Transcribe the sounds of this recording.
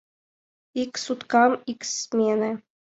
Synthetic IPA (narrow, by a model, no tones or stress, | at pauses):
iksut̪kɑmiksmʲenɘ̆